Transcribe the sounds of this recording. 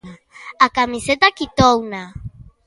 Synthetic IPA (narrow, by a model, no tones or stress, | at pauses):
akamiset̪akit̪owna